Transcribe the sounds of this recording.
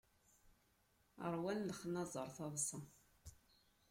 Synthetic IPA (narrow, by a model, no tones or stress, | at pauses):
ə̰ɾˤwænləχnɑzˤə̰ɾˤθɑðˤsɑ